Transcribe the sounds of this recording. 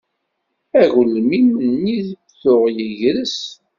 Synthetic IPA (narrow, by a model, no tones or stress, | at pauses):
æʝlmimənːiðəfθʊʁjəʝɾəs